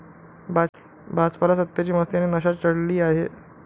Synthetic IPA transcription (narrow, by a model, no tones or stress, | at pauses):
ba | bʱat͡spalasət̪ːjat͡ɕiːməst̪ianenəɕat̪t͡ɕəɽliːaɦe